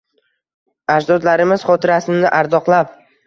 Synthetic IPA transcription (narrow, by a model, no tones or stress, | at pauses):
ad͡ʒd̪ɒd̪laɾɪmɪz̥χɒt̪ʰɪɾasɪnɪʔaɾd̪ɒqlˠap